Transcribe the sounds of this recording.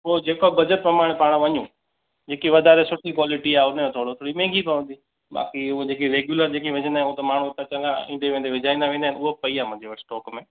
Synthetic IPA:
ɦod͡ʑeːkobɐd͡ʑəʈ̚pɾɐmaːɽ̃paːɽ̃ʋɐɲũ | d͡ʑeːkiʋɐd̪ʱaːɾesʊʈʰikwaːlɪʈiaːʊnəmõt̪ʰoːɽot̪ʰoːɽimẽːŋɡʱipɐʋə̃nd̪i | ba̰ːkiʊod͡ʑeːkiɾeːɡjuləɾd͡ʑeːkiʋɐ̃ɲə̃nd̪aːnɦot̪ɐmaːɳ̤ut̪at͡ɕɐ̃nd̪aɪ̃ːɖeʋẽːnd̪eʋɪd͡ʑʱaːĩnd̪aʋẽːnd̪aɦɪnʊɦopɐiaːmʊ̃ɦɪ̃ɲd͡ʑeʋɐsʈɔːkmẽː

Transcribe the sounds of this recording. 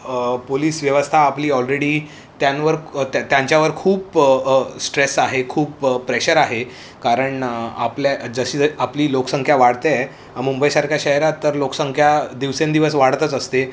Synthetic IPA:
poliːsʋjəʋəst̪ʰaːpliːɔlɾeɽiː | t̪jãnʋəɾt̪t̪jãɲt͡ɕjaʋəɾkʰuːp | sʈɾesaɦekʰuːpːɾeɕəɾaɦe | kaɾəɳa̰pljad͡zəɕiːd͡zapliːlokəsəŋkʰjaʋaɽt̪e | amumbəjsaɾkʰjaɕəɦeɾat̪ːəɾlokə̥səŋkʰjad̪iʋsẽnd̪iʋəsʋaɽt̪ət͡səst̪e

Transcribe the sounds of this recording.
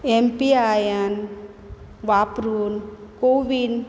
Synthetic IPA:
empiajən | ʋapɾunkoʋin

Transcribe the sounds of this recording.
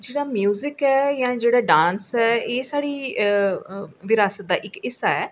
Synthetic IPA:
d͡ʒeːɽaːmjuːzɪkɛːjãːd͡ʒeːɽaːɖaːnsɛːeːsaːɽiː | ʋɪɾaːsət̪̚d̪aːʔɪkɪsaːɛː

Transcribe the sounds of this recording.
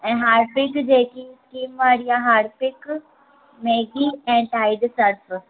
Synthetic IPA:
ɛ̃ɦaːɾpɪkd͡ʒeːkiskiːmʋaːɾijaɦaːɾpɪk | meːɡiɛ̃ːɳʈaːɪd̪sɐɾpʰ

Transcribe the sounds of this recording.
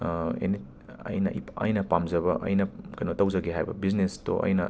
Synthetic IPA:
ḛni | ɐ̰jnɐ̰ʔiɐ̰jnɐpamzɐbɐʔɐ̰jnɐkɐjnotɐwzɐɡeɦajbɐ̰biznesto̰ʔɐ̰jnɐ

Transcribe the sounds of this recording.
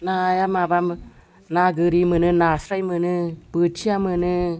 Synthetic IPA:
najamabam | naɡɯɾimɯnɯnasɾajmɯnɯb̥ɯtt͡ʃiamɯnɯ

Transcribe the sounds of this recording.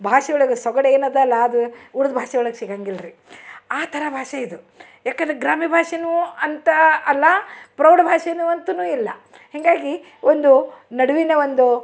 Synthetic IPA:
bʱaːʂɐjɔɭɐɡesɔɡɐɽeːnɐd̪ɐlːɐːd̪uːɾud̪bʱaːʂɐɔɭɐɡeʃiɡaŋɡilɾi | aːt̪ʰɐɾɐbʱaːʂɐid̪u | jaːkɐnd̪ɾeɡɾaːmibʱaːʂɐnuːɐnt̪ɐɐlːɐpɾɐwɖɐbʱaːʂɐnuɐnt̪unuːilːɐ | hɛŋɡaːɡi | ond̪unɐɽuʋineond̪u

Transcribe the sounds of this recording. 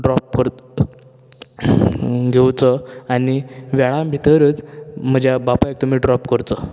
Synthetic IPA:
ɖɾɔp̚kəɾ | ɡʱewt͡səaniʋaɭambʱit̪əɾət͡sm̤əd͡ʑjabapaek̚t̪um̤iːɖɾɔpkəɾt͡s̪ə

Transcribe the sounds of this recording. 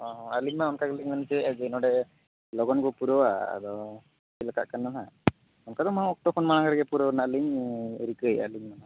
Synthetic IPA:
ɔ̃aliɲmaɔnkaɡɔliɲnant͡ʃɛʔɛd͡ʒɛnɔɖɛ | lɔɡɔnɡɔpuɾɔwaa̰d̪ɔ | silaka̰ʔkanːana | ɔnkad̪ɔmaɔk̚t̪ɔkʰɔnmanaŋɡaɾɛɡɛpuɾɔnaʔliɲɾikɯəja̰liɲmana

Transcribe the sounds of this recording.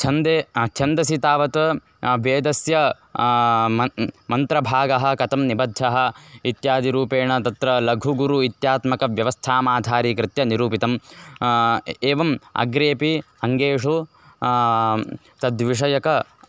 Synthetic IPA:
t͡ʃʰɐnd̪et͡ʃʰɐnd̪ɐsit̪aːʋɐt̪ | ʋeːd̪ɐsjɐ | ɐmɐnt̪ɾɐbʱaːɡɐɦɐ̆kɐt̪ɐmnibɐd̪ʱjɐɦɐ̆it̪jaːd̪iɾuːpeːɳɐt̪ɐt̪ɾɐlɐɡʱuɡuɾuit̪jaːt̪mɐkɐʋjɐʋɐst̪ʰaːmaːd̪ʱaːɾiːkɾɪt̪jɐniɾuːpit̪ɐm | eːʋɐmɐ̰ɡɾeːpi | ɐŋɡeːʂu | t̪ɐd̪ʋiʂɐjɐkɐ

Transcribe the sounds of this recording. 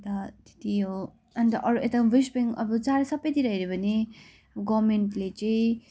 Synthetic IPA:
t̪at̪i̥t̪iɦo | antd̪ʌʔʌɾuʔet̪abisbeŋʌ̰bʌt͡saɾsʌbʌjt̪iɾaɦiɾebʱʌne | ɡʌmeɳʈlet͡saĩ

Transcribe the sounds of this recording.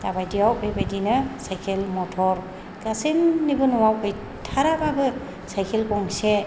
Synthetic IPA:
tabajdiawbebajdinɯsajkʰelmɔtʰɔɹ | kasinːibɯnʊwawkɯj | tʰaɾababɯ | sajkʰelkɔŋsɛ

